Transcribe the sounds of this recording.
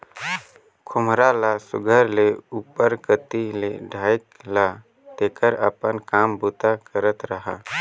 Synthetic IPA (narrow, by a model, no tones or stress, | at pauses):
kʰʊmɾalasʊ̰ɡʱəɾleuːpəɾkət̪ileɖʱaːjkla | t̪eːkəɾə̰pənkaːmbut̪akəɾət̪ɾəɦaː